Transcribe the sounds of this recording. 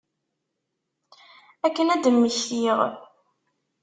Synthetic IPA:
ækːənæd̪əmːəçθiʁ

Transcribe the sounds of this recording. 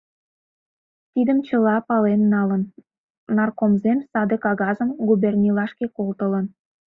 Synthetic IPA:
t̪id̪əmt͡ɕəlɑpɑlennɑlənː | ɑrkomzemsɑd̪əkɑɣɑzəmɡubernʲilɑʃkekolt̪ələn

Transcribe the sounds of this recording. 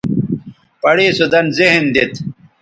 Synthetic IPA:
pɐɽeːsud̪ɐnziɦnd̪it̪

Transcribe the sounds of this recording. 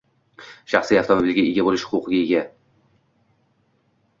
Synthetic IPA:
ʃaχsijaft̪ʰɒmobilɡʲaeɡʲabolɪʃhʊquqʰɨɡʲaeɡʲa

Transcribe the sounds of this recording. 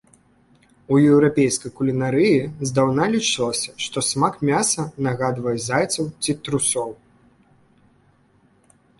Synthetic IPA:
ujɛwɾapʲejskɐjkulʲinaɾɨjizd̪awnalʲit͡ʂɨlˠɐsʲɐʂt̪ɔsmakmʲasɐnaɣad̪vɐjɛzajt̪sɐwt͡sʲit̪ɾusɔw

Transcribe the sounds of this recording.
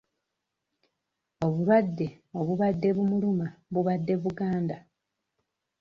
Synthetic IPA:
o̞βuɾwadːe̞ | o̞βuβadːe̞βumulumaβuβadːe̞βuɡaːnda

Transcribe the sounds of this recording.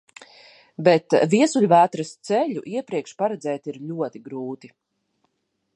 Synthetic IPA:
bɛt̪viɛsuʎʲvæːt̪ɾast̪sɛʎʲṵʔiɛpɾiɛkʃpaɾɛd̪zɛːt̪iɾʎʲuɔt̪iɡɾuːt̪i

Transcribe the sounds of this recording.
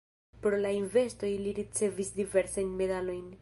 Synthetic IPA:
pɾolainve̞sto̞jliɾit͡se̞visdive̞ɾsajnme̞d̪alo̞jn

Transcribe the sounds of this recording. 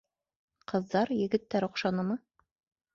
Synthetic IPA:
qɤ̆ðːɑɾjɘ̆ɡɘ̆t̪ːæɾŏqʃɑnɤmɤ

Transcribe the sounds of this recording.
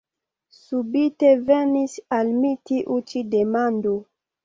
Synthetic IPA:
subite̞venisalmitiʔut͡ʃidemando

